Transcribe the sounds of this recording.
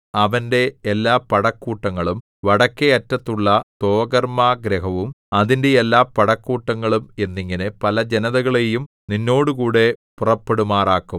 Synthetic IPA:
ɐʋɐnde̞ːlːaːpɐɽɐkːuːʈːɐŋːɐɭum | ʋɐɽɐkːeɐtːɐt̪ːuɭːɐt̪o̞ːɡɐrmaːɡɾɐɦɐʋum | ɐðindeelːaːpːɐɽɐkːuːʈːɐŋːɐɭume̞nːiŋːɐnepɐlɐd͡ʑe̞nɐðɐɣɐɭe̞jum | ninːo̞ːɽukuːɽe̞purɐpːe̞ɽumaːraːkːum

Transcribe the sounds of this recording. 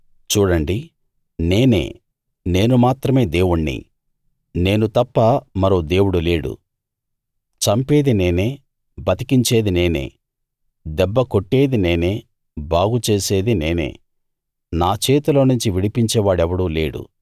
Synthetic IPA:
t͡ʃuːɽɐɳɖi | ne̞ːne̞̰ː | ne̞ːnumaːt̪ɾɐme̞ːd̪e̞ːwuɳːḭ | ne̞ːnut̪ɐpːɐmɐɾoːd̪e̞ːwuɽule̞ːɽṵ | t͡ʃɐmpe̞ːd̪ine̞ːne̞ː | bɐt̪i̥kiɲt͡ʃe̞ːd̪ine̞ːnḛː | d̪ɛbːɐkoʈːe̞ːd̪ineːneː | bʱaːɡut͡ʃe̞ːse̞ːd̪ine̞ːnḛː | naːt͡ʃeːt̪uloːnuɲt͡ʃiʋiɽipiɲt͡ʃɛːʋaːɽɛʋɐɽuːle̞ːɽṵ

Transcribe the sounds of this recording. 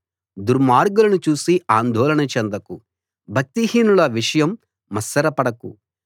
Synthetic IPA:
d̪uɾmaːɾɡulɐnut͡ʃuːsiaːnd̪ʱɔːlɐnɐt͡ʃɛnd̪ɐku | bʱɐk̚t̪iɦiːnulɐʋiʂɐjɐmː | ɐsːɐɾɐpɐɽɐkṵ

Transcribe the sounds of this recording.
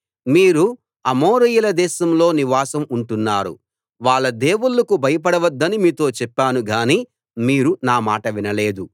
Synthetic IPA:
miːɾu | ɐmoːɾɐjulɐd̪ɛːʃɐmlo̞ːniʋaːsɐmuɳʈunːaːɾṵ | ʋaːɭːɐd̪e̞ːwuɭːɐkubʱɐjɐpɐɽɐʋɐd̪ːɐnimiːt̪o̞ːt͡ʃɛpːaːnuɡaːniː | miːɾunaːmaːʈɐʋinɐle̞ːd̪u

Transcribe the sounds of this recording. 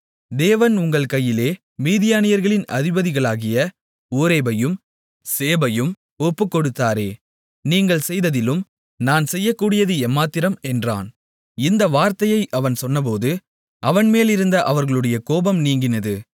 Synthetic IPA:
d̪eːʋɐnʊŋɡɐɭkɐjːɪleː | miːðɪjaːnɪjɐɾɣɐɭɪnʔɐ̰ðɪbɐðɪɣɐɭaːɣɪjɐ | uːɾeːbɐjɯm | seːbɐjɯm | ɔpːɯkːɔɽɯt̪ːaːɾeː | niːŋɡɐɭsɛjðɐðɪlɯm | naːnsɛjːɐkːuːɽɪjɐðɯɛmːaːt̪ːɪɾɐmɛndra̰ːn | ɪnd̪ɐʋaːɾt̪ɐjɐɪʔɐʋɐnsɔnːɐp̬oːðɯ | ʔɐʋɐnmeːlɪɾɯnd̪ɐʔɐʋɐɾɣɐɭɯɽɐjɐkoːbɐmniːŋɡɪnɐðɯ

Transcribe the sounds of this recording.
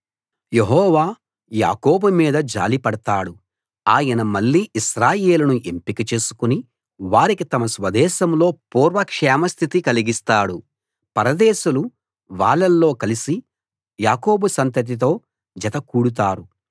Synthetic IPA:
jeɦɔːʋaː | ja̰ːko̞ːbumiːd̪ɐd͡ʒa̰ːlipɐɽɐt̪aːɽu | aːjɐnɐmɐɭːiːiʃɾaːje̞ːlɐnuʔe̞mpikɐt͡ʃe̞ːsu̥kuni | ʋaːɾikit̪ɐmɐsʋɐd̪ɛːʃɐmlo̞ːpuːɾʋɐkʂɛːmɐst̪ʰit̪ikɐliɡist̪aːɽu | pɐɾɐd̪ɛːʃulu | ʋaːɭːɐlːo̞ːkɐlisi | jaːko̞ːbusɐnt̪ɐt̪̬it̪̬o̞ː | d͡ʒɐt̪ɐkuːɽut̪aːɾu

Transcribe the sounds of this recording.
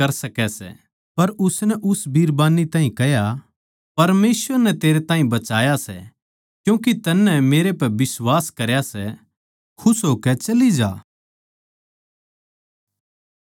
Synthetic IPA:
kɐɾsɐkɛsɛ̰ | pɐɾʊsnɛʔʊsbʱiːɾbaːnit̪ãːɦĩkɛɦja | pɐɾmeːswəɾnɛt̪eːɾet̪ãːĩbɐt͡ʃaːjasɛ̰ | kjũːkit̪ɐnːɛmeːɾepɛbɪswaːskɐɾjasɛ | kʰʊsɦoːkɛt͡ʃɐlid͡ʒa̰ː

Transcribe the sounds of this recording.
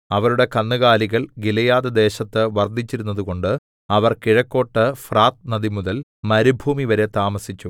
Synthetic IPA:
ɐʋɐɾuɽe̞kɐnːɨɣaːliɣɐɭɡilɐjaːd̪ɐd̪e̞ːɕɐt̪ːɨʋɐrd̪ʱit͡ɕːiɾunːɐðuɣo̞ɳɖɨ | ɐʋɐrkiɻɐkːo̞ːʈːɨfraːt̪̚nɐd̪imuðɐlmɐɾubʱuːmiʋɐɾe̞t̪aːmɐsit͡ɕːu

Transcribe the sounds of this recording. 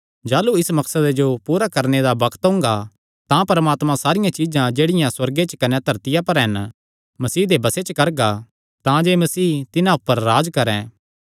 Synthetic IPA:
d͡ʒaːluɪsmɐksəd̪ed͡ʒopuːɾakɐɾned̪abɐkʰt̪ɦʊ̃ŋ̆ɡa | t̪ãpɐɾmaːt̪mãsaːɾɪjãt͡ʃid͡ʒãd͡ʒeːɽɪjãswɐɾɡet͡ʃkɐnɛt̪ʰɐɾt̪ɪjãpɐɾɦɛn | mɐsiːd̪ebɐset͡ʃəkɐɾɡa | t̪ãd͡ʒeːmɐsiːt̪ɪnãʊpːəɾːaːd͡ʒkɐɾɛ̃

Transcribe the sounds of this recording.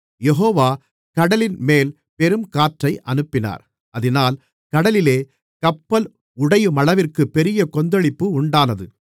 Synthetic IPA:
jɛɦoːʋaː | kɐɽɐlɪnmeːl | pɛɾɯmkaːʈrɐɪʔɐnɯpːɪna̰ːɾ | ɐðɪnaːl | kɐɽɐlɪleː | kɐpːɐl | ʊɽɐjɯmɐɭɐʋɪrkɯpːɛɾɪjɐkɔnd̪ɐɭɪpːɯʊɳɖaːnɐðɯ̰

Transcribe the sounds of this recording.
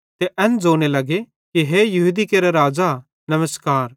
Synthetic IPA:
t̪eʔɛnd͡zoːɽ̃elɐɡe | kiɦejɐɦud̪ikeːɾeɾaːd͡ʒa | nɐməskaːɾ

